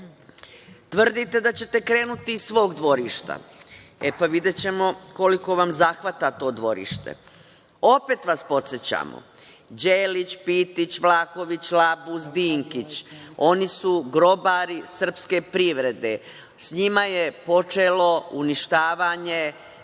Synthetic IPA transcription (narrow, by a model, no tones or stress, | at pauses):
t̪ʋr̩d̪it̪e̞d̪at͡ɕe̞t̪e̞kɾe̞ːnut̪isʋo̞ːɡd̪ʋo̞ɾiʃt̪a̰ | epaʋid̪et͡ɕe̞mo̞ko̞liko̞ʋamzaxʋat̪at̪o̞ːd̪ʋo̞ɾḭʃt̪ḛ | o̞peːt̪ʋaspo̞t̪sjet͡ɕa̰ːmo̰ | d͡ʑeːlit͡ɕpit̪it͡ɕʋlaːxo̞ʋit͡ɕlabuzd̪iːŋkit͡ɕo̞nisuɡɾo̞baɾisr̩pske̞pɾiʋɾe̞d̪e | sɲimaje̞po̞t͡ʃelo̞uniʃt̪aːʋaɲe̞